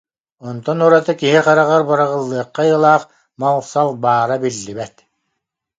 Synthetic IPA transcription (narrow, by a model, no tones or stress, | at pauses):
ɔnt̪ɔnuɾat̪ɯkiɦiqaɾaʁaɾbaɾaʁɯlˠːɯːɐqːajɯlˠaːχ | mawχsalˠbaːɾabilːibɛt̪